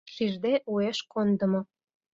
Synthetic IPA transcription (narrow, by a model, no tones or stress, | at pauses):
ʃiʒd̪eʔueʃkond̪ə̆mŏ